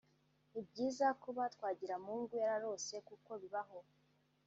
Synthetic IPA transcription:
ib̚ɟiːzakuβatkwaːɟiɾamuːŋɡujaɾaɾo̞ːse̞kuko̞βiβaɦo

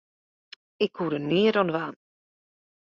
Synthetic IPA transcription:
ɪkuɾəniːədɔnəʋaːn

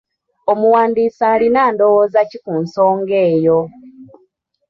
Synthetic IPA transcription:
omuwaːndiːsaːlinaːndo̞woːzacikunso̞ːŋɡe̞ːjo

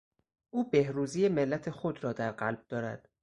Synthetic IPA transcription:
ʔuːbe̞hɾuːzijeme̞lːæt̪ʰe̞xod̪ɾɒːd̪æɾɢælb̥̚d̪̥ɒːɾæ̰d̪̥

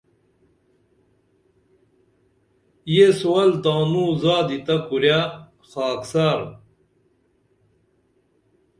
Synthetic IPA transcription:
jesowɐlt̪aːnuːzaːd̪it̪ɐkuɾja | xaːksaɾ

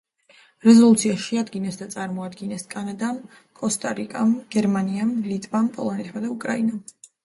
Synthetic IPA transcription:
ɾɛzɔlˠut̪sʰiaʃiad̪ɡinɛsd̪at̪sʼaɾmɔad̪ɡinɛskʼanad̪am | kʼɔst̪ʼaɾikʼamɡ̥ɛɾmaniamlit̪ʼvampʼɔ̰lˠɔnɛt̪ʰmad̪aukʼɾainam

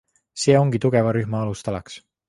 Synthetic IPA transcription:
se̞ːo̞ŋɡ̥it̪uɡ̥e̞vɑɾyhmɑɑlust̪ɑlɑks

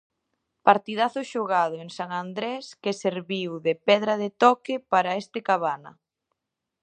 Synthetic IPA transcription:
paɾt̪iðaθʊʃoɣað̞ʊeŋsaŋand̪ɾɛskeseɾβiwðepɛðɾɐðɪt̪ɔkɪpaɾɐest̪ɪkaβanɐ̰

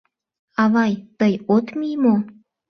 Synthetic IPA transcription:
ɑβɑjt̪əjot̪mijmo

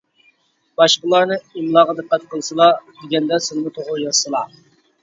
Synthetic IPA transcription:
b̥ɑʃqəlˠɑɾnɨimlˠɑːʁəd̪ɨqːæt̪̚qʰəlˠsɨlˠɑd̪ɪɡʲɛnd̪ɛsɪlnɨt̪ʰoʁʊɾjɑsɨlˠɑ

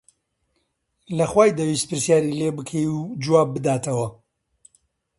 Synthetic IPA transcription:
lɐχwaːjd̪ɐwist̪̚pʰɨɾsjaːɾilebɨkʰejud͡ʒuwaːb̚ːɨd̪aːt̪ʰɐwɐ

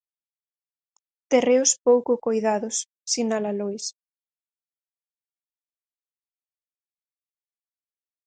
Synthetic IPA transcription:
t̪ereʊspowkʊkojðaðʊsː | inalalujs

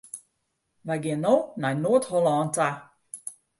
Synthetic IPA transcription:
ʋajɡɪənownajnoətholaːnta

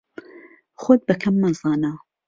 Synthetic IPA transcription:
xod̪̚bɐkʰɐmːɐzɑːna

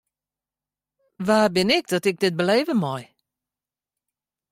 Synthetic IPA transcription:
vaːbɪnɛkd̥ɔtɪk̚dɪt̚bəleːvəmɔj

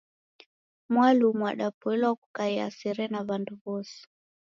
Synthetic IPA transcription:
mwalumwa̰ɗapɔɛlɔwaku̥kaia̰sɛɾɛnaβanduβɔsi̥

